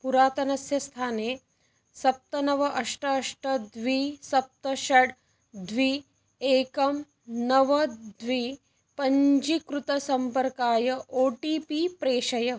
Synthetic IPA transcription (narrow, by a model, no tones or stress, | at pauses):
puɾaːt̪ɐnɐsjɐst̪ʰaːneː | sɐp̚t̪ɐnɐʋɐʔɐʂʈɐɐʂʈɐd̪ʋisɐp̚t̪ɐʃɐɽ | d̪ʋi | eːkɐm | nɐʋɐd̪ʋi | pɐɲd͡ʒikɾut̪ɐsɐmpɐɾkaːjɐʔoːʈiːpipɾeːʂɐjɐ